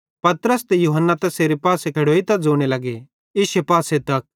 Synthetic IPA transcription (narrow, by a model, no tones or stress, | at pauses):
pɐt̪ɾəst̪ejuːɦənːat̪ɛ̃seːɾepaːsekʰɐɽoːit̪ɐk̚d͡zoːɽ̃elɐɡe | ɪʃepaːset̪ɐk̚